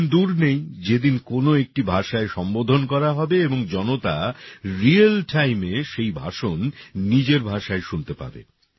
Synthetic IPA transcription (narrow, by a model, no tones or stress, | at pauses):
nd̪uɾnejd͡ʑed̪inkonoek̚ʈibʱaʃaeʃɔmbod̪ʱonkɔɾaɦɔbeeboŋd͡ʑɔnot̪a̰ɾialʈʰajmeʃejbʱa̰ʃonːid͡ʑeɾbʱaʃaeʃunt̪epa̰bḛ